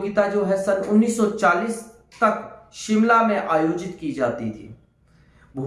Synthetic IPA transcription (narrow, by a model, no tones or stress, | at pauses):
ɡɪt̪ad͡ʒoːɦɛsɐnʊnːiːsːɔt͡ʃaːliːs | t̪ɐkʃɪmlamẽʔaːjoːd͡ʒɪt̪kid͡ʒaːt̪it̪ʰḭː | bʱu